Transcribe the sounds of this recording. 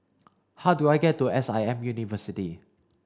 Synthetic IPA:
haʊduajɡɛtːuɛsaɪɛ̃mjunivəsiti

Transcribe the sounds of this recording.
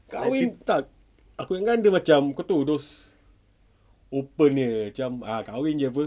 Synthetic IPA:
kawɪnt̪a | akujaŋɡandəmat͡ʃamkot̪udos | opənəmat͡ʃamakawind͡ʒəpə

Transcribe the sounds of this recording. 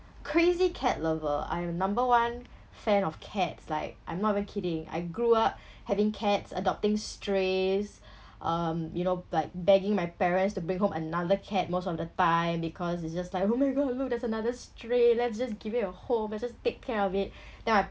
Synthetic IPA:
kʰɹezikʰɛt̚lɛvəa̰jɛ̃mnãmbəwãn | fɛ̃nɔfkʰɛtslaɪk̚ʔã̰jmnɔtivə̃nkʰiɾɪ̃ŋa̰ɪɡɹuap̚ | hɛvɪ̃ŋkʰɛtsə̰dɔp̚tɪ̃ŋstɹes | ʔʌ̃mjunolaɪk̚bɛɡɪ̃ŋmajpɛɹə̃nstubɹĩŋɦõmənadəkʰɛt̚mosɔfdətãɪ̃mbikʰɔsitsd͡ʒaslaɪkomaɪɡɔdluk̚dɛtsənadəstɹelɛts̬d͡ʒas̬ɡivitəhõmlɛtsd͡ʒastekʰːɛɹɔvit̚ | dɛ̃naɪ

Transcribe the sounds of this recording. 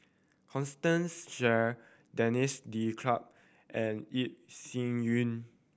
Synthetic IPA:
kʰɔ̃nstə̃nsʃɛ | dɛnisdikʰlap̚ | ʔɛ̃nit̚sĩŋjũn

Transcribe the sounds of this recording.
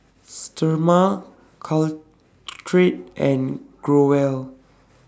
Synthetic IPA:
stəma | kʰɔl | tʰɹit̚ʔɛ̃nɡ̥ɹowɛl

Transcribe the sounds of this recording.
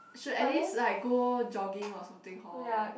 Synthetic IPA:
ʃudɛlislaɪk̚ɡod͡ʒɔɡɪ̃ŋɔsãmt̪ɪ̃ŋhɔja

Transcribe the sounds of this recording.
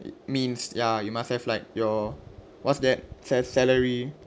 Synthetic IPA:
mĩnsjajumashɛflaɪt̚jɔ | wɔtsdɛt̚sɛsɛləɹi

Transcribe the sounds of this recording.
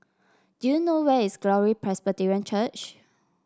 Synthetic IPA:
d̥ujunowɛisɡ̥lɔɹipʰɹɛsbətiɹiə̃nt͡ʃət͡ʃ

